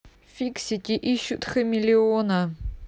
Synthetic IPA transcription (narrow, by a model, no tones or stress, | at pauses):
fʲiksʲitʲiʔiɕːʊt̪xɨmʲɪlʲionɐ